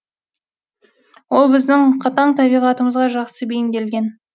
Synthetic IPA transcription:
wo̞lˠbɪzd̪ɪŋqʰɑt̪ɑɴt̪ʰæbijʁɑt̪əməzʁɑʒɑqsəbejɪmd̪ʲelɡʲen

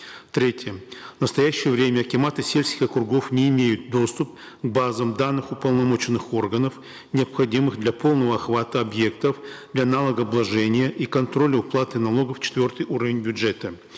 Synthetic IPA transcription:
t̪ɾʲetʲɪjəvnəst̪ɐjæɕːɪjəvɾʲemʲəɐkʲɪmat̪ɨsʲelʲsʲkʲɪxɐkɾʊɡo̞fnʲɪːmʲejʊt̪̚d̪o̞st̪ʊp̚ | ɡbazəmd̪anːɨxʊpəlˠnɐmo̞t͡ɕɪnːɨxo̞rɡənəf | nʲɪɐpxɐdʲimɨxd̪lʲɐpʰo̞lˠnəvəɐxvat̪əɐbje̞k̚t̪əfd̪lʲanalˠəɡəɐblˠɐʐɛnʲɪjəʔikɐnt̪ɾo̞lʲəʊplˠat̪ɨnɐlˠo̞ɡəft͡ɕɪ̥t̪vʲo̞rt̪ɨjʔuɾəvʲɪnʲbʲʊʐɛt̪ə

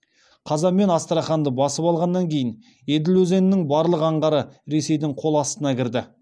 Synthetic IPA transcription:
qʰɑzɑmːe̞nɑst̪əɾɑχɑnd̪əbɑsəpɑlˠʁɑnːɑŋkʲʰe̞jɪn | ed̪ɪlwɵze̞nɪnɪŋbɑɾlˠəqɑɴʁɑɾəɾe̞se̞jd̪ɪŋqʰo̞lˠɑst̪ənɑkʲʰɪɾd̪ɪ

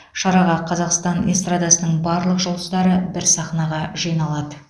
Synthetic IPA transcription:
ʃɑɾɑʁɑqʰɑzɑqst̪ɑnest̪rad̪ɑsənəɴbɑɾlˠəqʒolˠd̪əzd̪ɑɾəbɪɾsɑχnɑʁɑʒijnɑlˠɑd̪ə

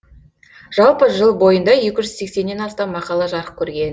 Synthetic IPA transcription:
ʒ̥ɑlˠpəʒəlˠbo̞jənd̪ɑje̞kʲɪʒʏz̥se̞kse̞nːe̞nɑst̪ɑmːɑqɑlˠɑʒɑɾəq̚kʲʰɵɾɡʲe̞n

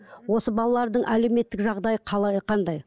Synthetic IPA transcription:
wo̞səbɑlˠɑlˠɑɾd̪əɴʔæle̞wme̞t̪ːɪkʒɑʁd̪ɑjəqʰɑɑqʰɑnd̪ɑj

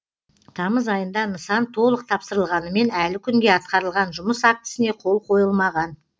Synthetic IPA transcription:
t̪ʰɑməzɑjənd̪ɑnəsɑnt̪ʰo̞lˠəq̚t̪ʰɑpsəɾəlˠʁɑnəme̞nælɪkʲʰʏŋɡʲe̞ɑt̪qɑɾəlˠʁɑnʒʊməsɑk̚t̪ə̥sɪne̞qʰo̞lˠqʰo̞jəlˠmɑʁɑn

